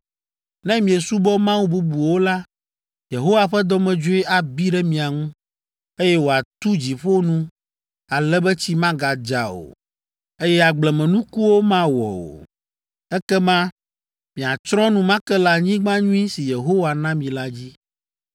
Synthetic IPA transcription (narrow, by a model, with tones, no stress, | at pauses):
nɛ̃˦mĩ˨ɛ˨su˦bɔ˦mã˦wu˦bu˦bu˨wo˦la˦ | je˨ɦo˦wa˨ɸɛ˦d̪ɔ˦mɛ̃˨d͡ʒo˦ɛ˦ʔa˨bi˦ɖɛ˦mĩ˨a˨ŋũ˦ | e˦jɛ˦wo˨a˨t̪u˦d͡ʑi˨ɸo˦nũ˦ | a˨lɛ˦bɛ˦t͡ɕi˦mã˦ɡa˨d͡ʒa˨o̰˨ | e˦jɛ˦a˨ɡ͡blɛ˨mɛ̃˨nũ˦ku˦wo˦mã˦wɔ̰˨o̰˨ | ɛ˦kɛ˦mã˦ | mĩ˨a˨t͡ʃɾɔ̃˦nũ˦mã˦kɛ˦la˨ɲĩ˦ɡ͡bã˦ɲũ˦i˦si˨je˨ɦo˦wa˨nã˦mĩ˨la˦d͡ʑi˦